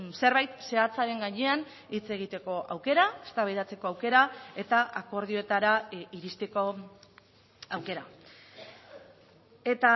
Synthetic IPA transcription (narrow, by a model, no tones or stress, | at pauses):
se̞ɾβajt̪se̞at͡saɾe̞ŋɡaɲe̞an | it͡se̞ɣ̞it̪e̞ko̞ʔawke̞ɾaest̪aβajðat͡se̞ko̞awke̞ɾae̞t̪aʔako̞ɾð̞io̞e̞t̪aɾaiɾist̪e̞ko̞ | awke̞ɾa | e̞t̪a